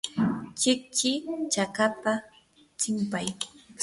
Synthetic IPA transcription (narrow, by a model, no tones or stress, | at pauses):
t͡ʃɪk̚t͡ʃɪt͡ʃakapa | t͡ʃɪmpaj